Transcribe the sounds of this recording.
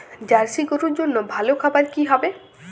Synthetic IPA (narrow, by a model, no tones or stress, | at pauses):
d͡ʒaɾsikoɾuɾd͡ʒonːobʱalokʰabaɾkiɦɔbe